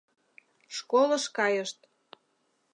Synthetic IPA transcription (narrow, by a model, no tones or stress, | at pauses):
ʃkolɤʃkɑjəʃt̪